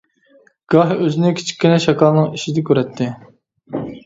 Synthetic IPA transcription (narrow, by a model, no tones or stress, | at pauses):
ɡ̥ɑɦøzɪnɪkʲʰi̥t͡ʃʰi̥kʲːinɛʃɑkʰɑlˠnɨŋiʃid̪ɛkʲøɾɛt̪ʰːɪ